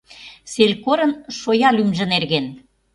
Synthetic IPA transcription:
selʲkoɾə̆nʃojɑlymʒə̆nerɣen

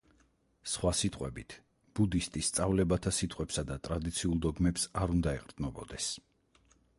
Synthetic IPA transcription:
sχwasit̪ʼqʼwɛ̰bit̪ʰ | b̥ud̪ist̪ʼist̪sʼavlɛbat̪ʰasit̪ʼqʼwɛpsad̪at̪ʼɾad̪it̪sʰiulˠd̪ɔɡmɛpsaɾund̪aɛqʼɾtd̪nɔbɔd̪ɛs

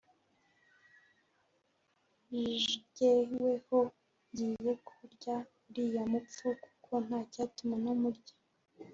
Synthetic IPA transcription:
ʒɟeweho | ɲɟiːje̞kʰuɾɟa | ɾijamup͡fuku̥kʰo̞n̥hacaːtumanomuɾɟḁ

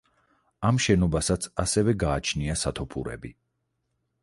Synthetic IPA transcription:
amʃɛnɔbasat̪sʰasɛvɛɡaːt͡ʃʰniasat̪ʰɔpʰuɾɛ̰bi

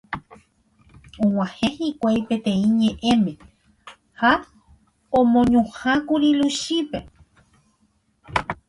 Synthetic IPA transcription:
õw̃ãhe̞hikʷajpẽ̞t̪ẽ̞ĩɲẽʔẽ̞mẽ̞ | ha | õmõɲũhakuɾiluʃipe

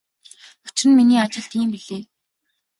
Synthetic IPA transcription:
ʊ̥t͡ɕɪ̆rɘ̆nminiːat͡ɕɪ̆ɬt̪iːmpiɮeː

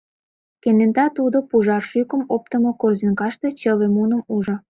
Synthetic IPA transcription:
kenent̪ɑt̪ud̪opuʒɑrʃykə̆mop̚t̪əmokorzinkɑʃt̪et͡ɕəβemunə̆muʒŏ

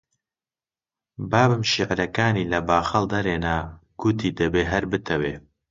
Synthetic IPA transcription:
baːbɨmʃiʕɾɐkaːniːlɐbaːxɐld̪ɐɾeːnaːɡ̥ʊt̪ʰiːd̪ɐbeːɦɐɾbɨt̪ʰɐweː

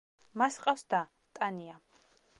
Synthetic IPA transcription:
masqʼafsd̪a | t̪ʼania

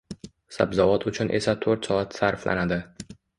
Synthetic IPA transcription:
sa̰bzavɒt̪ʰʊt͡ʃʰʊnʔe̞sat̪ʰoɾt̪sɒat̪saɾflʔa̰nad̪ɪ

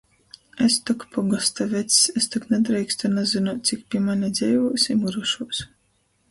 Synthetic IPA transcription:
est̪ɔkpʰɔɡast̪avʲɛt̪sʲɛst̪ɔknɛd̪ɾɛjkst̪anazɨnaːt̪̚ʲt̪sʲikpʲiɛmanʲɛd̪zʲɛjvuːsimuɾuʃuɔs

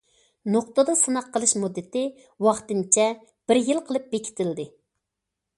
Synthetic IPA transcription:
noqt̪əd̪ɑsɨnɑqːəlˠɨʃmud̪ːɪt̪ɪ | wɑχt̪ɨnt͡ʃʰɛ | b̥ɪɾjilˠqʰəlˠɨp̚bekʲʰɪ̥t̪ʰɪld̪ɪ

